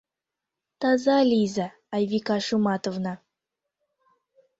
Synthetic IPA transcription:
t̪ɑzalʲizaː | jvʲikɑʂumɑt̪ovna

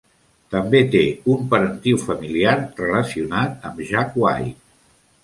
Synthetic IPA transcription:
t̪əmbet̪eumpəɾənt̪iwfəmiliaɾrələsiunat̪̚əmʒakwa̰j

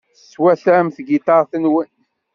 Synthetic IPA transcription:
θəsːwæθɾmθɡit̪ɑɾθənwən

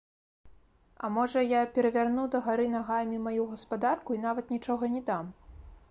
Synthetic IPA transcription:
ɐ̰mɔʐɐjapʲɛɾɐvʲarnud̪ɐɣaɾɨnaɣamʲimajuɣɐspad̪arkuin̪avɐt̪nʲit͡ʂɔɣɐnʲɛd̪am

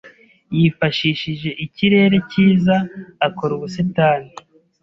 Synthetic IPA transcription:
jiːfaʃiːʃiʒe̞ʔiciɾe̞ːɾe̞ciːzaakoɾuβusetaːni

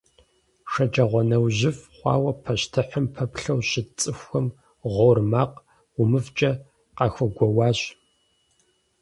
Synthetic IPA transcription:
ʂɐd͡ʒʼɐʁʷɔnɐwʑɪfχʷɑ̰ːwɐpʰɐɕtʰɨħəmpʰɐpɬɐwɕɪt͡sʼɨxʷxɐm | ʁormaːq | ʊmɨvt͡ʃʼɐ | qɑxʷɐɡʷɔwɑːɕ

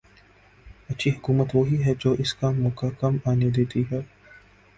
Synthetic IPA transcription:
ɐtːʃʰiɦʊkuːmət̪ʋoɦiɦɛd͡ʒoːʔɪskamʊkakɐmaːned̪eːt̪iɦɛː

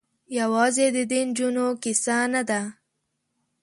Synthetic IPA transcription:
jawɑzed̪əd̪ind͡ʒunokɪsanad̪a

